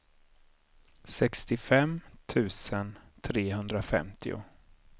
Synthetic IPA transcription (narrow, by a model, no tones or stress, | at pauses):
sɛkst̪ɪfɛmt̪ʰʉ̟ːsənt̪ʰɾeːɦɵnd̪ɾafɛ̰mt̪ʰɪ̰ʊ̰